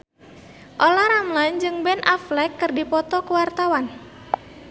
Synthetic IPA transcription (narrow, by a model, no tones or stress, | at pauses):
ʔolahɾamland͡ʒɨŋbɛnʔaflɛkːɨrdipɔt̪ɔkuwart̪awan